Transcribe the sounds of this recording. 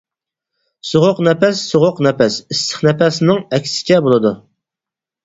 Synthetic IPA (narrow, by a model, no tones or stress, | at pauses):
soʁʊqnɛpɛsːoʁʊqnɛpɛsɪst̪ʰə̥χnɛpɛsnɪŋɛkʲʰsɪ̥t͡ʃʰɛbolˠɨd̪u